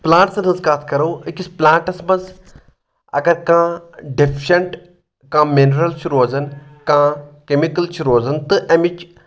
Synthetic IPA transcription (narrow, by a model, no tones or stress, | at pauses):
plãːʈsɐnɨzkaːt̪ʰkɐɾoːikʲisplãːɳʈɐsmɐz | ɐ̰ɡɐɾkãːɖepʰʃɐɳʈ | kãːminɾɐlt͡ʃʰuɾoːzɐnkãːkemikɐlt͡ʃʰuɾoːzɐnt̪ɨʔɐmit͡ʃ